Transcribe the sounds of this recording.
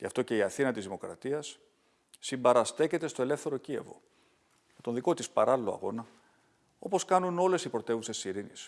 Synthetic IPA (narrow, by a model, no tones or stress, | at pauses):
ʝɐ̰ft̪o̞ce̞iɐθinɐt̪izðimo̞kɾɐ̰t̪iɐsː | imbɐɾɐst̪e̞ce̞t̪e̞st̪o̞e̞le̞fθe̞ɾo̞ciḛvo̞̰ | met̪o̞nðiko̞t̪ispɐɾɐlilo̞ɐ̰ɣo̞nɐ | o̞̰po̞skɐnuno̞le̞sipɾo̞t̪e̞vuse̞ssiɾinis